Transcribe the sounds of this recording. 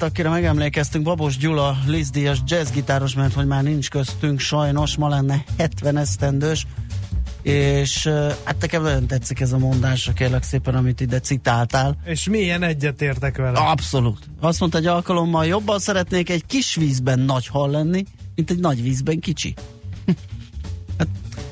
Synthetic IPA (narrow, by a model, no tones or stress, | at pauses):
t̪ɒkiɾɛmɛɡɛmleːkɛst̪yŋɡbɒboʒɟulɒlizd̪ijɒʃd͡ʒɛzɡit̪aːɾo̞ʃmɛrt̪ho̞ɟmaːrnint͡ʃkøst̪yŋkʃɒjno̞ʃmɒlɛnːɛhɛt̪ʋɛnɛst̪ɛnd̪øːʃ | eːʃha̰ːt̪nɛkɛmnɒɟo̞nt̪ɛt̪sːikɛzɒmo̞nd̪aːʃɒkeːrlɛkseːpɛnɒmit̪id̪ɛt̪sit̪aːlt̪aːleʃmiɛnɛɟːɛt̪eːrt̪ɛkʋɛlɛɒbso̞luːt̪ | ɒst̪mo̞nt̪ɒɛɟɒlkɒlo̞mːɒljo̞bːɒnsɛɾɛt̪neːkɛɟkiʃʋiːzbɛnːɒɟhɒlːɛnːimint̪ɛɟnɒɟʋiːzbɛŋkit͡ʃḭ | hat̪̚